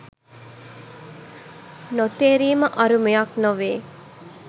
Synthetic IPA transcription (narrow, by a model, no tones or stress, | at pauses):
not̪eːɾiːməʔɐɾumejaknoʋeː